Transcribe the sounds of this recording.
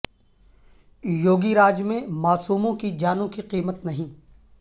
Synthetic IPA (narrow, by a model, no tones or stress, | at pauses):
joːɡiɾaːd͡ʒmẽmaːsuːmõkid͡ʒaːnõkiqiːmət̪nɐɦĩː